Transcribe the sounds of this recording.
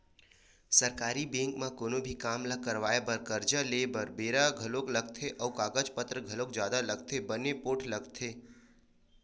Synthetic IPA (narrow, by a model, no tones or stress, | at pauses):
səɾkaːɾibẽŋkmãkoːnobʱikaːmlakəɾʋaːebəɾkəɾd͡ʒaleːbəɾbeːɾaɡʱəlokləɡ̚t̪ʰeʔɔːkaːɡəd͡ʒpət̪ɾəɡʱəlok̚d͡ʒjaːd̪aləɡ̚t̪ʰebənepoːʈʰləɡt̪ʰe